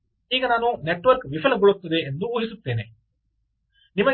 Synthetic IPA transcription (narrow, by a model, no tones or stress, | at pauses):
iːɡɐnaːnuneʈːʋɐɾkʋifʰɐlɐɡɔɭut̪ːɐd̪eːnd̪uuːɦisut̪ːe̞ːnḛ | nimɐ